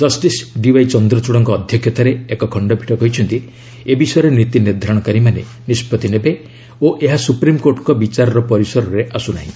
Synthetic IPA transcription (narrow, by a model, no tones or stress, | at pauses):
d͡ʒɔsʈisɖiwajt͡ʃɔnd̪ɾɔt͡ʃuɽɔŋkɔːd̪ʱjɔkʰjɔt̪aɾeekɔkʰɔɳɖɔbʱiʈɔkɔɦit͡ʃʰɔnt̪i | ebisɔjɔɾenit̪iniɾd̪ʱaɾɔɽ̃ɔkaɾimanḛ | nispɔt̪inebe | oʔeɦasupɾimkoɾʈɔŋkɔbit͡ʃaɾɔɾɔpɔɾisɔɾɔɾeʔasuna̰ɦḭ̃